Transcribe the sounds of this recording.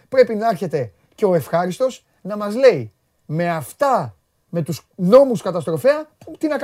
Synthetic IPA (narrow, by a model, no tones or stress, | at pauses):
pɾe̞pinɐeɾçe̞t̪e̞ | ce̞o̞e̞fxɐɾist̪o̞s | nɐmɐzle̞i | me̞ɐft̪ɐ | me̞t̪usno̞muskɐt̪ɐst̪ɾo̞feɐput̪inɐk